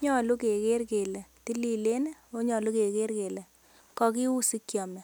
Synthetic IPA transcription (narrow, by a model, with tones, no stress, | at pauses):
ɲɔ˦˨lu˦ke˨ke˦rke˨lɛ˨ti˦li˦le˦nɛ˦o˦ɲɔ˨lu˦ke˨ke˦ɾke˨lɛ˨ | kɔ˦ki˦u˦si˦kjɔ˨mɛ˨